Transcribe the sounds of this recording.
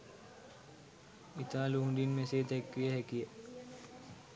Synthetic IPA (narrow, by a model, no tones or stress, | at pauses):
it̪aːluɦũd̪inmeseːt̪ɛkʋijəɦækijə